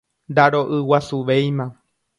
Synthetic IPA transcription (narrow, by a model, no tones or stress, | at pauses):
nd̪aɾo̞ʔɨwasuʋejmã